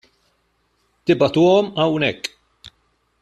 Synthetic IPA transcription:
t̪ɪbɐt̪uːɔmɐwnɛkː

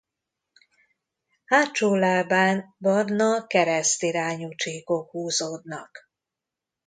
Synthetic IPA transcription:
haːt͡ʃoːlaːbaːnbɒrnɒkɛɾɛst̪iɾaːɲut͡ʃeːko̞khuːzoːd̪nɒk

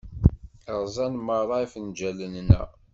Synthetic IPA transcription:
əʁˤzˤɑnməɾɾˤɑifənd͡ʒælənnæ̰

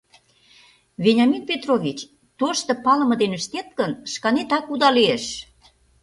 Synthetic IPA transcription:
venʲɑminpʲet̪rovʲit͡ɕ | t̪oʃt̪ɤ̆pɑlə̆mɤ̆d̪enəʃt̪et̪̚kənʃkɑnet̪ɑkud̪ɑlieʃ

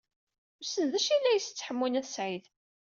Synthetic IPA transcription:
ʊsənðæʃilːæjəst͡sːħəmːinæθsʕiθ

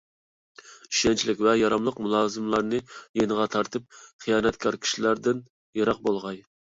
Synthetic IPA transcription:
iʃɛnt͡ʃʰilɪkʲvɛjɑɾɑmlˠəqmulˠɑːzɨmlˠɑɾnɨjenəʁɑt̪ʰɑɾt̪ɨp̚χʰijɑːnɛt̪kʲʰɑɾkʲʰi̥ʃilæɾd̪ɪn | jɑɾɑq̚bolˠʁɑj

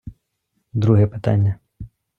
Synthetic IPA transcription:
d̪ɾuɦɛpɪt̪a̰nʲːɐ

